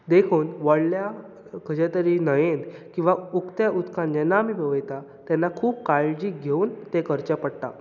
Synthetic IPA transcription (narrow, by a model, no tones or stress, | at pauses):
d̪ekʰuːnʋəɽlja | kʰəd͡ʑet̪əɾinəjend̪kĩw̃ʋaukt̪jaʔut̪kʰãnd͡ʑɛnːamiːbəʋəjt̪a | t̪janːakʰuːp̚kaɭd͡ʑiːɡʱeuːnt̪ekəɾt͡ɕapəɽt̪a